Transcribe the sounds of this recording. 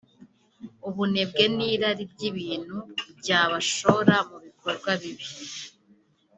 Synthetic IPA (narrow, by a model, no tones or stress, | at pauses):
uβune̞b̚ɡe̞niːɾaɾibɟiβiːn̥hubɟaːβaʃo̞ɾamuβiko̞ɾɡwaβiβi̥